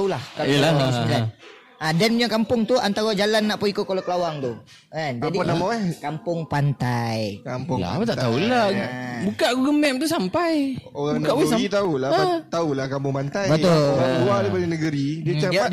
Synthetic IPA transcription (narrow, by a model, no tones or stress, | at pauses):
ulahkaəlasila | ʔadaniɲakampʊŋt̪uant̪awad͡ʒalanːaʔpuikʊt̪̚kalakəlawaŋt̪u | kand͡ʒadianamaakampʊŋpant̪ajkampʊŋa̰at̪aʔt̪aulabukaʔɡuɡəmɛm̚t̪us̬ampajoɣaŋukaʔit̪aulaat̪aulakampʊŋpant̪ajbət̪olaluaɾipadanəɡəɾidiət͡ʃaa